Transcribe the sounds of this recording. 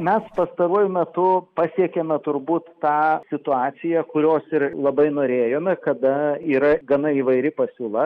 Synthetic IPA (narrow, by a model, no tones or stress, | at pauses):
mʲɛspɐst̪ɐɾuɔjʊmʲɛt̪ʊpɑsʲiɛkʲeːmʲɛt̪ʊɾbuːt̪ːɑːsʲɪt̪ʊɑːt̪sʲɪjɛkʊɾʲoːsɪrlˠɐbɐɪnoːɾʲeːjoːmʲɛkɐd̪ɐiːɾɐɡɐnɐiːʋɐɪɾʲɪpɐsʲuːlˠɐ